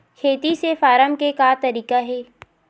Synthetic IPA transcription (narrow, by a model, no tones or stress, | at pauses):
kʰeːt̪isefaːɾəmkekaːt̪ɐɾiːkaɦɛː